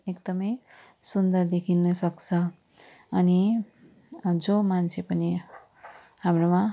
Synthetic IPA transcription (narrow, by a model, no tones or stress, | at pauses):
ekd̪ʌmʌj | sund̪ʌrd̪ekʰinʌsʌkt͡sʰʌ | ʌni | d͡zomant͡sʰepʌni | hamromã